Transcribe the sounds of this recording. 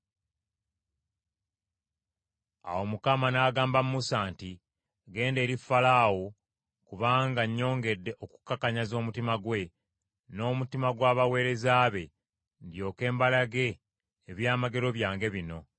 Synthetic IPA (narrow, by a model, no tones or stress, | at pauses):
a̰wo̞mukamanaːɡaːmbamumusaːnti | ɡe̞ːnde̞ːɾifalawo̞ | kuβaːŋɡaɲːo̞ːŋɡe̞dːe̞ʔoku̥kːakaɲazo̞ːmutimaɡwe̞ | no̞ːmutimaɡwaːβawe̞ːɾe̞zaːβe̞ | ndjo̞ːke̞ːmbalaɡe̞ː | βjaːmaɡe̞ɾo̞βjaːŋɡe̞βino̞